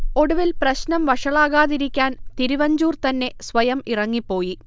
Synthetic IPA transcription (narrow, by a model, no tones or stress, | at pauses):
o̞ɽuʋilprɐɕnɐmʋɐʂɐɭaːɣaːðiɾikʲːaːnt̪iɾiʋɐɲd͡ʑuːrt̪ɐnːe̞sʋɐjɐmirɐŋːipːo̞ːji